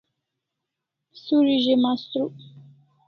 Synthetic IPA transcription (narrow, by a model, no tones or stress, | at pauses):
suɾiʒemãst̪ɾu